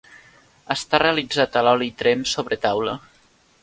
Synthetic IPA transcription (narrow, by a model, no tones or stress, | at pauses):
əst̪areəlid͡zat̪əlɔlit̪ɾemsoβɾət̪awlə